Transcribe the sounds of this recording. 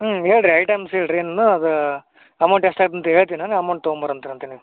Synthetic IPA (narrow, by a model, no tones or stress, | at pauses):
ɦeːɭɖɾiɐjʈɐjmseːɭɖɾieːnɐnːuɐd̪u | ɐmɐwɳʈɛsʈaːɡt̪ɐnt̪ɐeːɭt̪inaːnɐmɐwɳʈt̪oːmbɐɾɐnt̪iɾɐnt̪ɐniu